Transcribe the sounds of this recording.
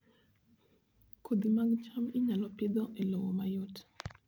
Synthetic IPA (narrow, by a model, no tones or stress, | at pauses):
kʰod̪imaɡt͡ʃamiɲalɔpɪd̪ɔʔelowɔmajot